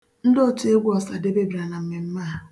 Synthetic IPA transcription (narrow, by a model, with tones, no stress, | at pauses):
n̩˦do˦tu˨˦e˦ɡʷu˦ɔ˨sa˨de˦be˦bi˨ɾa˨na˨m̩˦mɪ˨m̩˦ma˦˨